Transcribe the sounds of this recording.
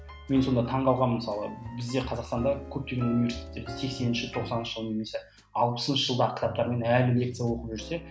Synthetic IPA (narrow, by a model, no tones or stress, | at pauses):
me̞nso̞nd̪ɑt̪ʰɑɴʁɑlˠʁɑnməmsɑlˠəbɪzd̪e̞qʰɑzɑqst̪ɑnd̪ɑkʲʰɵp̚t̪e̞ɡʲenunivʲe̞ɾsi̥t̪ʲet̪ːed̪ɪzsʰe̞kse̞nɪnʃɪt̪ʰo̞qsɑnənʃə̥ʒəlˠəne̞me̞se | ɑlˠpə̥sənʃəʒəlˠd̪ɑʁəkʰʲɪt̪ʰɑp̚t̪ɑɾme̞nælɪle̞k̚t̪sɨjɑwo̞qəpʒʏɾse̞